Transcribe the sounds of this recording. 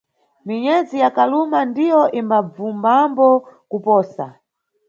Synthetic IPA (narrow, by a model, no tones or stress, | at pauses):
miɲɛd͡zijakalumandijɔʔimbab͡vumbambɔkupɔːsa̰